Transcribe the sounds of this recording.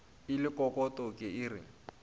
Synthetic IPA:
ɪlɪkʼɔkʼɔtʼɔkʼɪɪːrɪ̰

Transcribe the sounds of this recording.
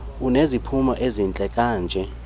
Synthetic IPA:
unezipʰumaʔezint͡ɬʼɛkʼaːnd͡ʒʱɛ

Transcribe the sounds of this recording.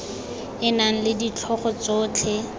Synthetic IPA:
ɪnaŋ̩lɪdit͡ɬʰɔχɔt͡soːt͡ɬʰɛ

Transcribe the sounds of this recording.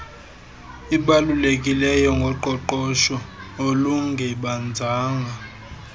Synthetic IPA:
iɓalulek̬ʼilɛjɔŋɡʱɔǃɔǃɔʃɔoluŋɡʱɛɓand͡zʱaːŋɡʱa

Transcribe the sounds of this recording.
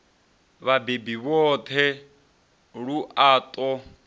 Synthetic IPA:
βabebiβɔt̪ʰɛ | ɺuʔaːt̪ʼɔ

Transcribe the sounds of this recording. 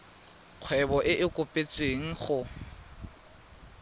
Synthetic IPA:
q͡χʰwɛbɔʔɪʔɪkʼʊpʼet͡sʼweŋ̩χʊ

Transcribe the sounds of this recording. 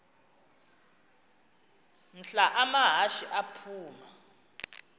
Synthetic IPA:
n̩ɬaʔamaɦaʃiʔapʰuːma

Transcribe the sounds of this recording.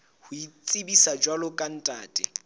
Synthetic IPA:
hʊit͡sʼɪbisad͡ʒwalʊkʼan̩tʼa̰ːtʼɪ̰

